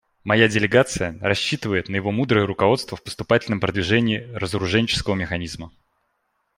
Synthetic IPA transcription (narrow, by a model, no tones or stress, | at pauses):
mɐjadʲɪlʲɪɡat̪sɨjəɾɐɕːit̪ɨvəjɪt̪nəjɪvo̞mud̪ɾəjəɾʊkɐvo̞t̪st̪vəfpə̥st̪ʊpatʲɪlʲnəmpɾəd̪vʲɪʐɛnʲɪːɾəzəɾʊʐɛnʲt͡ɕɪ̥skəvəmʲɪxɐnʲizmə